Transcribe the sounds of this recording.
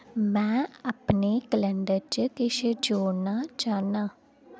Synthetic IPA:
mɛ̃ːəpneːkəlɛ̃ɳɖəɾt͡ʃəkɪʃd͡ʒoːnaːt͡ʃaːnaː

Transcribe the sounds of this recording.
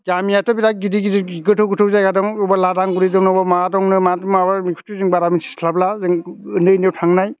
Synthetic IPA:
ɡamijatʰɔbiɾaɡidiɡidiiɡɯtʰɯwɡɯtʰɯwzajɡadɔŋubaladaŋɡuɾidɔŋnɔbɔmadɔŋnɯmatmabamikʰu̥tʰuzɯŋbaɾamisʰi̥sʰlablazɯŋɯnɯjnewtʰaŋnaj

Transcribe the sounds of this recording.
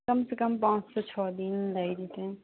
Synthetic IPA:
kɐmsekəmpãːt͡ʃsɔt͡ʃʰɔːd̪inlaid̪it̪ɛ̃

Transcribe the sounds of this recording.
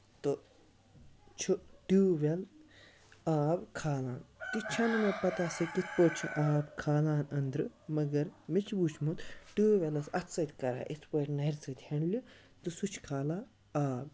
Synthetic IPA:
t̪o | t͡ʃʰuʈuːʋel | aːbkʰaːlãːnt̪it͡ʃʰɐnmepɐt̪asikit̪ʰpoːt͡ʃʰiʔaːbkʰaːlaːnɐnd̪ɾɨmɐɡɐɾmit͡ʃʰbut͡ʃʰmut̪ʈuːʋʲelɐsɐt̪ʰsɐt̪ʲkɐɾa̰ːʔit̪ʰpoʈnɐɾt͡sɐt̪ʲhɐɳlʲu | t̪usut͡ʃʰkʰaːlaː | aːb

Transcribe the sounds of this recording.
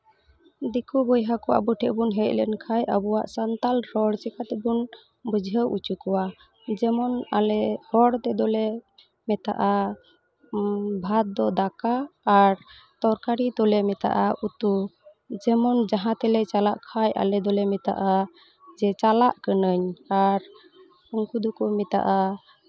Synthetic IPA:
d̪ikʰubɔjɦakɔa̰buʈʰɛʔbunɦɛc̚ˀlɛ̰nkʰajʔə̰buwaʔsant̪alɾɔɽt͡ʃɛkat̪ɛbun | bəd͡ʒʱɦəwʔut͡ʃukɔwa | d͡ʒɛmɔna̰lɛhɔɽt̪ɛd̪ɔlɛ | mɛt̪a̰ʔa | bʱat̪̚d̪ɔd̪akaːɾ | t̪ɔɾkaɾit̪ɔlɛmɛt̪a̰ʔaʔut̪u | d͡ʒɛmɔnd͡ʒaɦãt̪ɛlɛt͡ʃalaʔkʰajʔa̰lɛd̪ɔlɛmɛt̪a̰ʔa | d͡ʒɛt͡ʃalaʔkənəɲaɾ | ɔŋkud̪ɔkɔmɛt̪a̰ʔa

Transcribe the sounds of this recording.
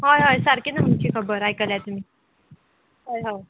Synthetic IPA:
ɦojɦojsaɾkinam̤unt͡ɕʰiːkʰəbəɾajkəljat̪um̤iː | ɦojɦo

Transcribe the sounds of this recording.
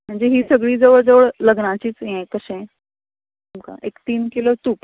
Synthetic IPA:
m̤əɳd͡zeɦiːsəɡɭiːd͡zəʋəɭd͡zəʋəɭləɡnat͡ɕiːt͡sjẽkəsẽ | umka̰ʔekt̪iːnkilot̪uːk

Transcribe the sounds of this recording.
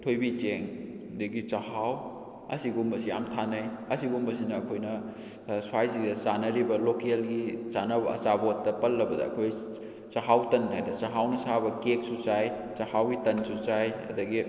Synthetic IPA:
tʰojbit͡ʃeŋ | diɡit͡ʃahaw | ɐ̰siɡumbɐsija̰mtʰanɐjɐsiɡumbɐs̬inɐːkʰojnɐ | swajzidɐsanɐɾibɐlokelɡisanɐbɐɐ̰t͡ʃabotːɐpɐlːɐbɐdɐ̰ɐ̰kʰoj | t͡ʃaɦawtɐnɦajdɐt͡ʃaɦawnɐsabɐkek̚sut͡ʃaj | t͡ʃahawɡitɐnsut͡ʃajɐ̰dɐɡi

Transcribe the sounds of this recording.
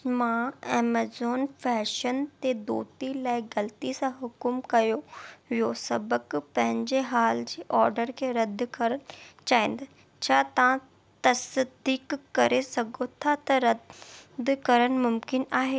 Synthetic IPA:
mãeːmeːzoːnfɛːʃənt̪ed̪oːt̪ilaːɪɡɐlt̪isãɦʊkʊmkɐjoʋijosɐbəkpɐ̃ɦɪ̃ɲd͡ʑeɦaːld͡ʑeːʔɔːɾɖəɾkʰeːɾɐd̪kɐɾənt͡ɕaːɪ̃nd̪ | t͡ɕʰaːt̪ɐʋã | t̪ɐsd̪iːkːɐɾesɐɡʱot̪ʰat̪ɐɾɐd̪kɐɾəɽ̃ɪ̆mʊmkɪnaːɦe

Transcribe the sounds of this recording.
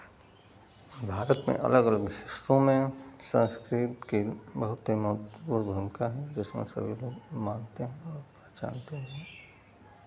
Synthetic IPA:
bʱaːɾət̪mḛ̃ʔɐ̰ləɡələɡʃɪsɾõmẽsə̃nskɾɪt̪kibəɦʊt̪ːimɐɦʊt̪puːɾbʱəmɪkaɦɛ̃d͡ʒɪsmḛ̃sə̰bʱilomaːnt̪eɦɛ̃ɔːɾ | at͡ʃa̰ːnt̪eɦɛ̃

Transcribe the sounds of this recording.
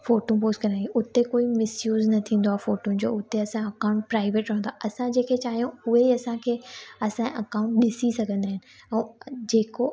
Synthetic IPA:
foːʈũpoːsʈkɐɾ̃iʔʊt̪ekoːimɪsjuːznɐt̪ʰĩːn̆d̪oaːfoːʈũn̆d͡ʑo̰ːʊt̪eɐsãɐkãʊ̃ɳʈpɾaːɪʋeːʈɾɐɦnd̪aʔɐsãd͡ʑeːkʰet͡ɕaːɦijõʊɦeiɐsãkʰeːɐsãʔɐkaːʊ̃ɳʈ̚ɗɪsisɐɡʱə̃nd̪aːɦɪnɪ̆ɛ̃ːd͡ʑeːko

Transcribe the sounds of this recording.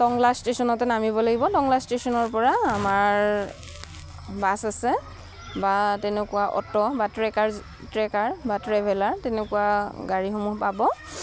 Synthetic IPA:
tɔŋlastesɔnɔtɛnamibɔlaɡibɔtɔŋlastesɔnɔɹpɔɹaːmaɹ | basasɛ | batɛnɛkʊwaʔɔ̰tɔbatɹɛkaɹ | tɹɛkaɹbatɹɛbʱɛlaɹtɛnɛkuwaɡaɹixomuɦpabɔ

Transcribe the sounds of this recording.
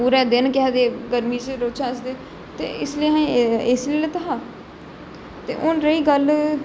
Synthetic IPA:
uːɾɛːd̪ɪnkɛːd̪eːɡəɾmiːt͡ʃeɾoːt͡ʃʰaːsd̪eː | t̪ḛːɪsliɦãɪslilet̪əɦaː | t̪ḛːʔʊnɾəiːɡəl

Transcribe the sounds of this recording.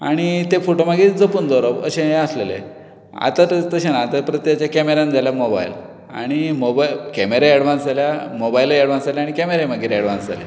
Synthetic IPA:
a̰ɽ̃it̪efoʈomaɡiːd͡zəpuːnd̪ɔɾəbə̰ɕẽɦẽəslelḛ | a̰t̪att̪əɕanaːt̪apɾət̪jat͡ɕjakɛmeɾand͡zaljamoba̰jl | a̰ɽ̃imobakɛmeɾaɛɽʋãnsaljamobajleɽʋãnsaleaɽ̃ikɛmeɾemaɡiɾeɽʋãnd͡za̰lḛ

